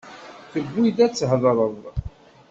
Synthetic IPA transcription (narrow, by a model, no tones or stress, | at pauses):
θəɡːiðæt͡sːhðɾˤəðˤ